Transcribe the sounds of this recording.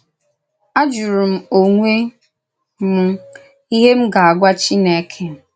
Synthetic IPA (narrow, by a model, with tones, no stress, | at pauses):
a˦d͡ʒʊ˨ɾʊ˨m̩˦o˨ŋʷe˦ | m̩˦ | i˦ɦe˦m̩˦ɡa˨a˨ɡʷa˦t͡ʃi˦ne˨˦kʰe˦m̩˨